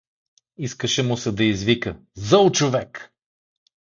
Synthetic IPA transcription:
iskəʃɛmʊsɛd̪ɐizvikə | zɔlˠt͡ʃovɛk

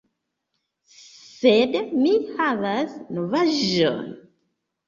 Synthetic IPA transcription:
sedmihavasnovaʒo̰n

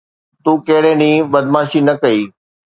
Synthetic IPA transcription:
t̪uːkɐɦɪɽẽːnĩːʋɐd̪maːʃinɐkɐiː

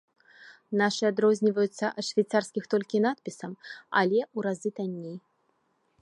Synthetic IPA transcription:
naʂɨad̪ɾɔzʲnʲivɐjut̪sːɐʔɐt̪ʂvʲajt̪sarsʲkʲixt̪ɔlʲkʲinat̪̚pʲisɐmɐ̰lʲɛuɾazɨt̪anʲːej

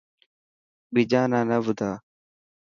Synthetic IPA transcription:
ɓɪd͡ʒaːnãːnəʋʊd̪ʱaː

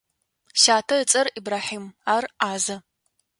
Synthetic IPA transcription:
ʃaːtʰɐɨt͡sʼɐribraːħiːmaːraːzɐ

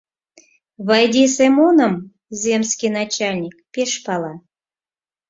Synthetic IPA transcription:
βɑjd̪ʲisemonəm | zʲemskʲinat͡ɕalʲnʲik̚pʲeʃpɑlˠɑ

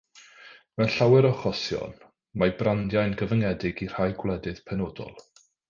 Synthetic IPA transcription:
mɛnɬawɛɾɔχɔsjɔ̰n | mabrandjajnɡəvəŋɛdɪɡir̥ajɡwlˠɛdɨð̥pʰɛnodɔ̰lˠ

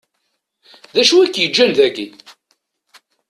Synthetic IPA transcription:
ðæʃuækːjəd͡ʒːælðæɡi

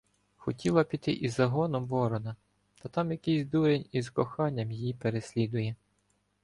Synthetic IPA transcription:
xɔtʲʰilˠɐpʲit̪ɪʔizɐɦɔnɔmʋɔɾɔnɐ | t̪ɐt̪ɑmjɐkɪsʲd̪uɾenʲizkɔxɑnʲːɐmjijipeɾesʲlʲid̪ʊjɛ

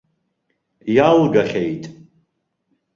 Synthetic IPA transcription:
jawɡaχʲejtʼ

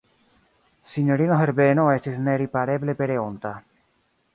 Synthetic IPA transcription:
siɲoɾinoɦeɾbenoet͡ʃesneɾipaɾeβlepeɾeont̪a

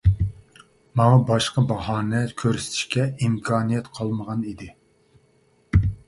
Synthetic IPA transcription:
mɑŋɑbɑʃqɑbɑɦɑːnɛkʲʰøɾsɪ̥t̪ʰɪ̥ʃkʲɛimkʰɑːnijɛt̪qʰɑlˠməʁɑnid̪ɪ

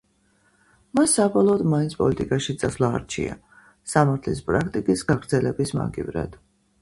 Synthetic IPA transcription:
masːabɔlˠɔːd̪mainsʰpʼɔ̰lit̪ʼikʼaʃit̪sʼasvlˠaːɾt͡ʃʰḭa̰ | samaɾt̪ʰlispʼɾak̚ʰt̪ʼikʼisɡaɡɾd̪zɛlɛbisma̰ɡḭvɾa̰d̪̥

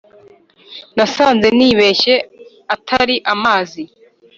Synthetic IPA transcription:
nasaːnze̞niːβe̞çe̞ | atʰaɾiʔamaːzi

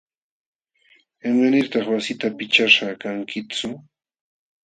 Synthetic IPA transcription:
emanɪɾt̪ɑχwasɪt̪apɪt͡ʃaʃakaŋkʰɪt͡sʊ

